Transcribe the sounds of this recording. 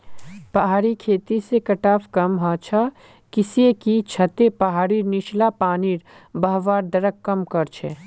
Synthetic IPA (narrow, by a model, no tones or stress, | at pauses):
pɐɦaːɾikʰeːt̪isekɐʈaːfkɐmɦat͡ʃʰa | kɪsiekit͡ʃʰɐt̪epɐɦaːɾinɪʃlapaːniːɾ | bɐɦʋaːɾd̪ɐɾəkːɐmkɐɾt͡ʃʰeː